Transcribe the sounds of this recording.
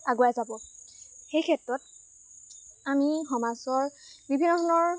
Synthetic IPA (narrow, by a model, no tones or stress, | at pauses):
aɡojazabɔxejkʰɛtɹɔt | amixɔmasɔɹbibʱinːɔtʰɔnɔɹ